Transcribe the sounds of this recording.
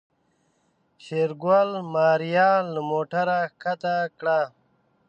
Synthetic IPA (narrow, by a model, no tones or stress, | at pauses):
kʰeːɾɡwalmaːɾijaːləmoːʈaɾakʰat̪akɽa